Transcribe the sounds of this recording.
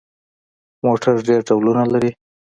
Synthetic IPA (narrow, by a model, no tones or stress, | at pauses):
moʈaɾɖeɾɖawlunalaɾi